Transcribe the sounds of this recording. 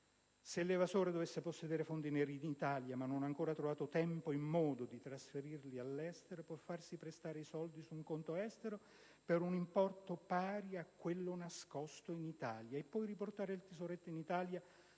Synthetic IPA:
selːevasoːɾed̪ovesːeposːed̪eːɾefond̪ineɾid̪it̪aːljamanːonaŋkoːɾat̪ɾovaːt̪ot̪ɛmpoimːɔːd̪od̪it̪ɾasfeɾirlialːɛst̪eɾopwɔfːarsipɾest̪aːɾeisɔld̪isuŋkont̪oɛst̪eɾo | peɾunimpɔrt̪opaːɾiakːwelːonaskɔst̪oinit̪aːljaepːɔjriport̪aːɾeilt̪izoɾet̪ːeinit̪aːlja

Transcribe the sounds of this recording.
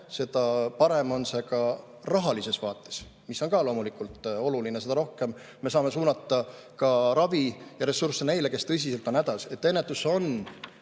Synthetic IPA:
se̞d̪̥ɑpɑɾe̞mo̞nse̞kɑ | rɑɦɑlise̞svɑːt̪ːˑe̥s | misːo̞nkɑlo̞ːmulikult̪ˑo̞lulinese̞d̪ɑɾo̞hke̞m | me̞sɑːme̞suːnɑt̪ːˑɑ | kɑɾɑvijɑɾe̞sursene̞jle̞ke̞st̪ɤs̬iselt̪o̞næd̪̥ɑse̞t̪ːe̞nːet̪ːˑuso̞n

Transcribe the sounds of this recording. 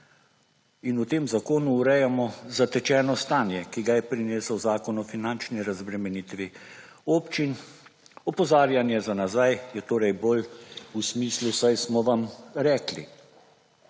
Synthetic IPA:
inut̪eːmzakoːnuːɾɛjamɔzat̪ɛt͡ʃɛːnɔst̪aːnjɛkiɡajɛpɾineːsəwzaːkɔnɔfinant͡ʃniɾazbɾɛmɛniːt̪ʋi | oːpt͡ʃin | ɔpɔzaːɾjanjɛzanazajjɛt̪oːɾɛjbolusmiːslusajsmɔʋamɾɛːklḭ

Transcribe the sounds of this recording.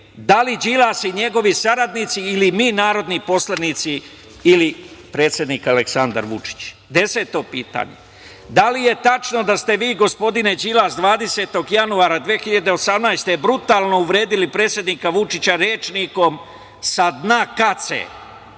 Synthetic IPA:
d̪alid͡ʑilasiɲe̞ɡo̞ʋisaɾad̪nit̪siːlimiːnaːɾo̞d̪nipo̞slanit̪siː | lipɾe̞ːt̪sʲje̞d̪nikaleksand̪a̰ɾʋṵt͡ʃi̥t͡ɕ | d̪e̞se̞t̪o̞piːt̪a̰ːɲḛ | d̪alije̞t̪at͡ʃno̞d̪ast̪e̞ʋiːɡo̞spo̞d̪ined͡ʑilasd̪ʋaːd̪e̞se̞t̪o̞ɡjanuaɾad̪ʋexiʎad̪e̞o̞samnajst̪e̞bɾut̪aːlˠno̞uʋɾe̞ːd̪ilipɾe̞ːt̪sʲje̞d̪nikaʋut͡ʃit͡ɕaɾeːt͡ʃniko̞m | sad̪nakat̪sḛ

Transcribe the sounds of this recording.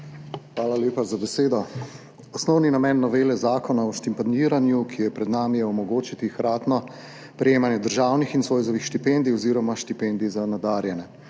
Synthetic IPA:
xʋaːlalʲjeːpazabɛseːd̪ɔ | ɔsnɔwninamɛnːɔʋeːlɛzaːkɔnaɔʃt̪impaniɾanjukʰijɔjɛpɾɛd̪naːmijɛɔmɔɡoːt͡ʃit̪ixɾaːt̪nɔ | pɾɛjeːmanjɛd̪əɾʒaːwnixinsʋoːjzɔʋixʃt̪ipend̪iɔziːɾɔmaʃt̪ipɛnd̪izanad̪aːɾjɛnɛ

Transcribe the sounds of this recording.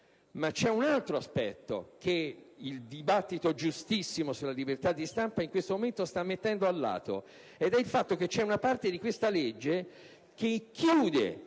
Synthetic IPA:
mat͡ʃːɛunalt̪ɾoaspɛ̰t̪ːo̰k̟eild̪ibat̪ːit̪od͡ʒust̪isːimosulːalibert̪ad̪ːist̪ampaiŋkwest̪omoment̪ost̪amːet̪ːɛnd̪oalːa̰ːt̪o̰ | ed̪ɛilfat̪ːok̟et͡ʃːɛunapart̪ed̪ikwest̪aled͡ʒːe | k̟ekːjuːd̪ḛ

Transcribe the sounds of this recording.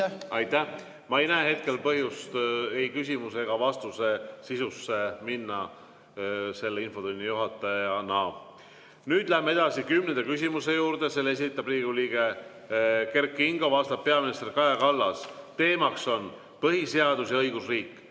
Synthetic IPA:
ɑjt̪ːæh | mɑejnæeɦhe̞t̪̚ke̞lpɤɦjust̪ejkysʲimuse̞ɡ̥ɑvɑst̪use̞sisusːe̞minːɑ | se̞lːeinfo̞t̪unʲːijuɦɑt̪ːˑɑjɑnɑː | nyːd̪̥læhemee̞d̪̥ɑsikymnend̪̥ekysʲimuse̞juːɾd̪̥e̞se̞le̞sit̪ːˑɑbriːɡuliːɡ̥e̞ | ke̞rkːˑiŋɡ̥o̞vɑst̪ɑp̚pːe̞ɑminʲist̪erkɑjɑkɑlːɑst̪e̞ːmɑkso̞n | pɤɦiseɑd̪̥usjɑɤjɡusriːkˑː

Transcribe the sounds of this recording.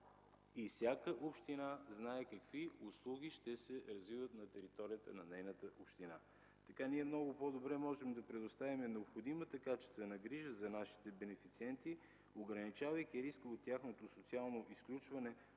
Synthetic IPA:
ifsʲjakəʔopʃt̪inaznaɛkɐkviʊslˠuɡ̟ʲiʃt̪ɛsɛɾɐzvivət̪nɐt̪ɛɾit̪ɔɾijət̪ə̰nɐnɛjnət̪əʔopʃt̪ina | t̪ɐkaniɛmnɔɡʊpod̪obɾɛmɔʒɛmd̪ɐpɾɛd̪ost̪avimɛnɛopxod̪imət̪əkat͡ʃɛ̥st̪vɛnɐɡɾiʒəzɐnaʃi̥t̪ɛbɛnɛfit̪siɛnt̪i | oɡɾɐnit͡ʃavəjkʲiɾiskəot̪ːjaxnot̪osot̪sialˠnoʔisklʲut͡ʃvɐnɛ

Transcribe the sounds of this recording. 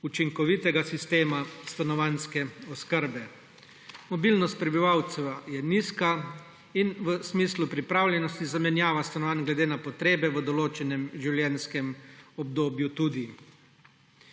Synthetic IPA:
ut͡ʃiŋkɔʋit̪ɛɡasist̪eːmast̪anɔʋanskɛɔskəɾbɛ | mɔbilnɔst̪̚pɾɛbiʋaw̪sɛwjɛniska | inʋəsmiːslupɾipɾawlʲjɛnɔst̪izamɛnjaːʋast̪anɔʋanɡlɛd̪eːnapɔt̪ɾeːbɛʋəd̪ɔloːt͡ʃɛnɛmʒiwljɛnskɛmɔbd̪oːbjut̪uːd̪i

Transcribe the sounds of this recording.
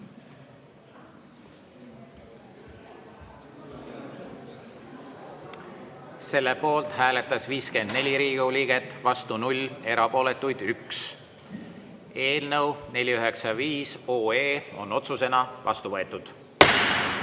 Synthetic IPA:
se̞lːe̞po̞ːlt̪hæːle̞t̪ːˑɑsviːske̞nd̪̥ne̞lʲiɾiːɡ̥uliːɡ̥e̞t̪ːˑvɑst̪unulʲːe̞ɾɑpo̞ːle̞t̪ːˑujd̪̥yks | e̞ːlnəwne̞lʲiyɦe̞ksɑviːso̞ːeːo̰no̞t̪suse̞nɑvɑ̰st̪uvɤe̞t̪ːˑud̪̥

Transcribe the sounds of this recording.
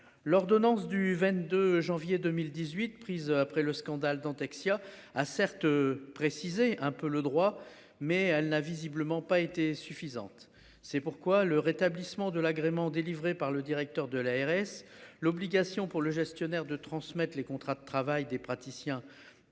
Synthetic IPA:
lɔʁd̪ɔnɑ̃sd̪yvɛ̃t̪d̪øʒɑ̃vjed̪ømild̪izɥit̪pχizapχɛləskɑ̃d̪ald̪ɑ̃t̪aksjaasɛʁt̪pχesizeɛ̃pøləd̪ʁwa | mɛɛlnavizibləmɑ̃paet̪esyfizɑ̰̃t̪ | sɛpuʁkwaləʁet̪ablismɑ̃d̪əlaɡʁemɑ̃d̪elivʁepaʁləd̪iʁɛk̚t̪œʁd̪əlaɛʁɛslɔbliɡasjɔ̃puʁləʒɛst̪jɔnɛʁd̪ət̪χɑ̃smɛt̪χlekɔ̃t̪χad̪ət̪χavajd̪epχat̪isjɛ̃

